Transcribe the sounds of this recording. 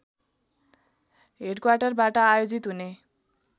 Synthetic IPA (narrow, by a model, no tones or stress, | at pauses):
ɦeɖkwarʈʌrbaʈʌajod͡zit̪ɦune